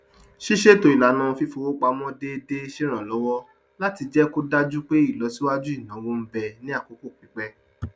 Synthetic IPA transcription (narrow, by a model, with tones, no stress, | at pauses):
ʃi˦ʃe˦˨to˨i˨la˨nã˨˧fi˦fo˧wo˦ɡ͡ba˧mɔ̃˦de˦de˦ʃe˦ɾ̃ã˨lɔ˨˦wɔ˦ | la˦ti˧d͡ʒɛ˦ko˦da˦d͡ʒu˦k͡pe˦i˦˨lɔ˨˦si˦wa˦d͡ʒu˦i˦˨nã˨˦wo˦m̩˦bɛ˧nĩ˦a˦˨ko˨˦ko˦˨k͡pi˨˦k͡pɛ˦